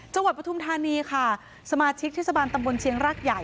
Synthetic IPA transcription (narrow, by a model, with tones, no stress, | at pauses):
t͡ɕa˧ŋwa˨˩pɾa˧t̪ʰu˧mt̪ʰaː˧niː˧kʰa˥˩ | sa˧maː˧t͡ɕʰi˦˥k̚t̪ʰe˥˩sa˧baː˧nt̪a˧mbo˧nt͡ɕʰi˧˥əŋɾaː˥˩k̚ja˨˩j